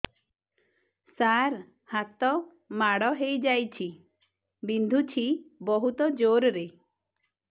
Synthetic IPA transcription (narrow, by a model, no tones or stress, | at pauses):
saɾ | hat̪ɔ | maɽɔɦejd͡ʒajt͡ʃʰi | bind̪ʱut͡ʃʰibɔɦut̪ɔd͡ʒoɾɾe